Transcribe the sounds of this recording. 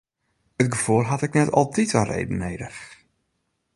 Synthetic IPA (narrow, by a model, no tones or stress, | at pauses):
ətɡəfulˠɦatɪknɛtɔ̰lˠtitarḛjdən̩ːeːdəx